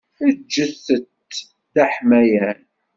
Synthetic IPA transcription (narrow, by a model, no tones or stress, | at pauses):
əd͡ʒːəθət̪ | θaħmæjæn